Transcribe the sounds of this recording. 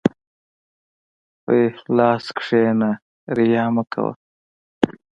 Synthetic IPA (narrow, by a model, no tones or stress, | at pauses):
ojlaːskʂeːna | ɾijaːmɐkʰɐ̰wɐ̰